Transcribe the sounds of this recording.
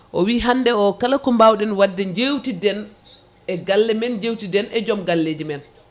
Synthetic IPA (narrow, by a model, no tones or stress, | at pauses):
ʔɔwiːɦanːdɛɔkalakɔmbawɗɛnwadːɛɲd͡ʒewtidɛn | ʔɛɡalːɛmɛnɲd͡ʒewtidɛnʔɛd͡ʒɔmɡalːeːd͡ʒimɛn